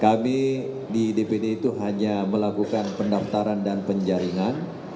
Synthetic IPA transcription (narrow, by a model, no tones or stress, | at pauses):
kami | didepedeit̪uɦaɲaməlakukanpəndaft̪aɾandanpəɲd͡ʒaɾiŋan